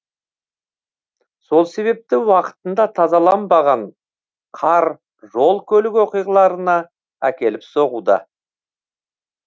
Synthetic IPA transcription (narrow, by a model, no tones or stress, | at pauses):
so̞lˠse̞βe̞p̚t̪ɪwɑqə̥t̪ənd̪ɑt̪ʰɑzɑlˠɑnbɑʁɑɴ | qʰɑɾ | ʒo̞lˠkʲʰɵlɪkwo̞qijʁɑlˠɑɾənɑ | ækʲe̞lɪpso̞ʁud̪ɑ̰